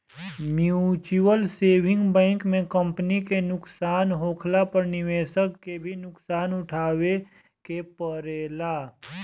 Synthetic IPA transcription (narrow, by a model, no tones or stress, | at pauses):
mjut͡ʃuwəlseːwɪ̃ŋɡbɛ̃ːŋkmẽkə̃mpnikenʊksaːnɦoːkʰlapəɾnɪʋeːʃəkːebʱinʊksaːnʊʈʰaːwe | kepəɾeːlaː